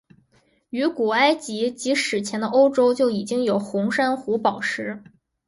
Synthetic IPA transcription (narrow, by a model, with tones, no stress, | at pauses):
y˧˥ku˨˩a˥ɪt͡ɕi˧˥t͡ɕi˧˥ʂɻ̩˨˩t͡ɕʰjɛ˧˥nd̪ə˧ʔo˥ʊʈ͡ʂo˥ʊt͡ɕjo˥˩ʊi˨˩t͡ɕi˥ŋjo˨˩ʊxʊ˧˥ŋʂa˥nxu˧˥pɑ˨˩ʊʂɻ̩˧˥